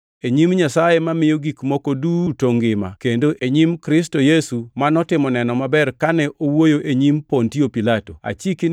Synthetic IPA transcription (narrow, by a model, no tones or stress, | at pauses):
eɲimɲasajemamɪjoɡikmokodutoŋɡɪma̰kendoʔeɲimkɾɪs̬tojesumanɔtɪmɔnɛnɔmabɛrkanɛʔowojoʔeɲimpontiopilatoa̰t͡ʃik